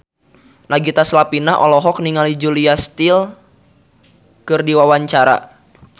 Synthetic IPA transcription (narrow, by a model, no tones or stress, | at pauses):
naɡit̪aslapinaʔɔ̰lɔɦɔk̚niŋalid͡ʒuliast̪il | kɨrdiwawaɲt͡ʃaɾa̰